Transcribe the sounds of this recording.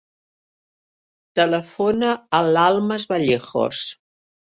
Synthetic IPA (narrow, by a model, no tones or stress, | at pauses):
t̪ələfonəːlalˠməzβaʎexo̰s